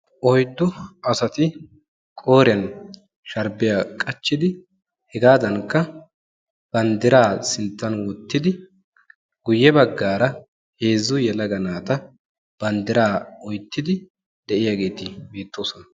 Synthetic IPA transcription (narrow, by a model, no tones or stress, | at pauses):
ʔɔjd̪ːʊɐsɐt̪ɪ | kʼo̞ːɾɪɐn | ʃɐɾbɪjaːkʼɐt͡ʃːɪd̪ɪ | hɛɡaːd̪ɐŋkːɐ | b̥ɐnd̪ɪɾaːsɪnt̪ːɐnwɔt̪ːɪd̪ɪ | ɡ̥ʊjːɛbɐɡːaːɾɐ | he̞ːzːʊjɛlɐɡɐnaːt̪ɐ | b̥ɐnd̪ɪɾaːɔjt̪ːɪd̪ɪ | d̪ɛʔɪjaːɡe̞ːt̪ɪbeːt̪ʰːoːsɔnɐ